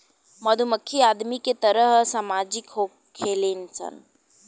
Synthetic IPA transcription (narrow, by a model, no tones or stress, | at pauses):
mɐd̪ʱuməkʰːiaːd̪miket̪ɐɾəɦsaːmaːd͡ʒɪkɦo | kʰeːleːnsɐ̰n